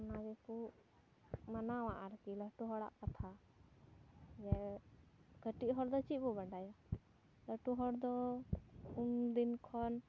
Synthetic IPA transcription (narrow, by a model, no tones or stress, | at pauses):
nad͡ʒɛkuʔ | manawaʔaɾkiləʈuɦɔɽa̰ʔkat̪ʰa | d͡ʒɛ | ɡəʈiʔɦɔɽd̪ɔt͡ʃibɔbaɖaja | ləʈuɦɔɽd̪ɔ | umd̪inkʰɔn